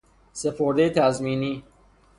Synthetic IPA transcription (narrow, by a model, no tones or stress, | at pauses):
se̞pʰoɾd̪ejet̪ʰæzmiːniː